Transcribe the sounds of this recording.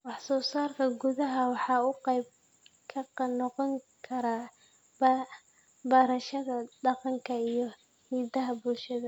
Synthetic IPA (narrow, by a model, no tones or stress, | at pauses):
wɑħsɔːsaːrkʰɐɡʊðɐɦɐwɑħɑːʊqɛjb | kʰɐqnɔqɔŋkʰɐɾa | b | bɐɾɐʃɐðɐɖɑqɑŋkʰɐijɞ | hiːdɐɦɐbʊlʃɐðɐ